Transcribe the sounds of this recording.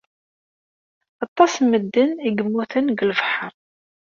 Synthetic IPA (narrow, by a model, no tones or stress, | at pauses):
ɑt̪ˤːɑsməd̪ːəniɡəmːuθənɡəlvħəɾˤ